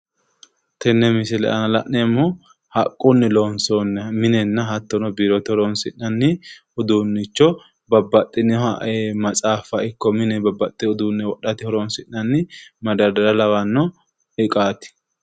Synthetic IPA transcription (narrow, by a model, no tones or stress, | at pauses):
t̪ʰɛnːɛmɪsɪlɛ̰ʔɐnɐlɐ̰ʔnɛmːɔ | hɐkʼːʊnːɪloːnsonːmɪnɛnːɐɦɐt̪ːɔnɔbiːɾɔt̪ɪhɔɾɔnsɪnːɐnːɪ | ʊd̪unːɪt͡ʃːɔ | bɐbːɐt̪ʼːɪnɛɐemɐt͡sʼaːfɐɪkːɔmɪnɛbɐbːɐt̪ʼːɪʊd̪unːɛwɔɗɐt̪ɪhɔɾɔnsɪnːɐnːɪmɐd̪ɐd̪ɐɾɐlɐwɐnːɔ | ɪkʼaːt̪ɪ̥